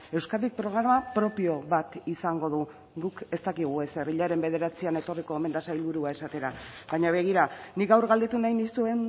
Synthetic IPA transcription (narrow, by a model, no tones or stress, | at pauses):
e̞wskaik̚pɾo̞ɣɾamapɾo̞pio̞βat̪isaŋɡo̞ðu | ɡuke̞st̪akiɣ̞ue̞se̞riʎaɾe̞mbe̞ð̞e̞ɾat͡siane̞t̪o̞riko̞eme̞nd̪asajlβuɾuae̞sat̪e̞ɾaβaɲaβ̞e̞ɣ̞iɾanikɡawɾɣald̪e̞t̪unajnist̪ue̞n